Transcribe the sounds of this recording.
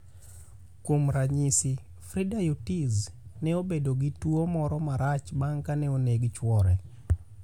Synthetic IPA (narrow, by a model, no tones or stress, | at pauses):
komɾaɲisɪ | fɾidajutiznɛobedoɡitwomɔɾɔmaɾat͡ʃbaŋkanɛoneɡt͡ʃwɔɾɛ